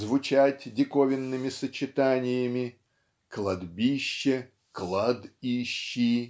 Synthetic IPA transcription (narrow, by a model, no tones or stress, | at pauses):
zvʊt͡ɕatʲdʲɪko̞vʲɪnːɨmʲɪsət͡ɕɪt̪anʲɪjəmʲɪ | klˠɐd̪bʲiɕːɪ | klˠad̪iɕːi